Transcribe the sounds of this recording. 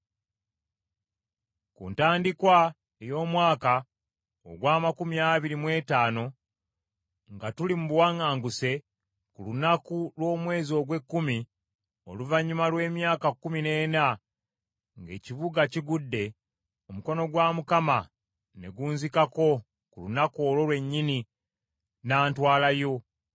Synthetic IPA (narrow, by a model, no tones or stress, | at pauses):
kṵntaːndikwa | ejo̞ːmwaːka | o̰ɡwaːmakumiaːβiɾimwe̞ːtaːno̞ | ŋɡatulimuβuwaŋaːŋɡuse̞ | kulunakulwo̞ːmwe̞ːzo̞ɡwe̞kːumi | o̞̰luvaɲːumalwe̞ːmjaːkakːumine̞ːna | ŋɡe̞ːciβuɡaciɡudːe̞ | o̞muko̞no̞ɡwaːmukama | ne̞̰ɡuːnzikako̞ | kulunakoːlo̞lwe̞ɲːini | naːntwaːlajo̞